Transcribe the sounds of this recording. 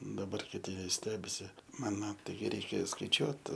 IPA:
dɐˈbɐr kʲɪˈtʲɪ ˈʋʲɪs ˈsʲtʲæːbʲɪsʲɪ ˈmɑːnoː ˈtɐɪ ˈrʲɛɪkʲɛ skɐɪˈt͡ʃʲuɔt

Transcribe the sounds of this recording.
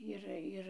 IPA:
ˈɪr ˈɪr

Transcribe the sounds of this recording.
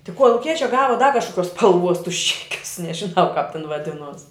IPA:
tʲɪ koːlˠʊˈkʲiɛt͡ʃʲɛ ˈɡɑːʋɐ dɐ kɐʃkoːˈkʲuɔs spɐlˠˈʋuɔs tʊs ˈt͡ʃʲæːkʲʊs nʲɛʒʲɪˈnɐʊ kɑːp tʲɛn ʋɐˈdʲɪnuɔs

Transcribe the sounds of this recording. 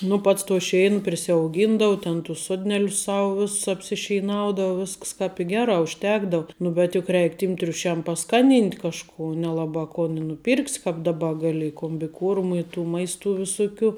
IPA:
nʊ ˈpɐts toː ˈʃʲɛɪn pʲrʲɪsʲɛʊˈɡʲiːndɐʊ tʲɛn tʊs ˈsoːdʲnʲɛlʲʊs ˈsɐʊ ˈʋʲɪss ɐpʲsʲɪʃʲɛɪˈnɐʊdɐʊ ˈʋʲɪsks kɑːp ɪ ˈɡʲæːrɑː ʊʃʲˈtʲæːɡdɐʊ ˈnʊ bʲɛt jʊk ˈrʲɛɪk tʲiːm tʲrʲʊˈʃʲɛm pɐˈskɑːˌnʲiːnʲtʲ kɐʃˈkuː nʲɛlˠɐˈbɑː koːn ɪ nʊˈpʲiːrksʲ kɑːp dɐˈbɐ ˈɡɑːlʲɪ ɪ koːmʲbʲɪˈkuɔrmʊ ɪ tuː ˈmɐɪstʊ ʋʲɪˈsʊkʲʊ

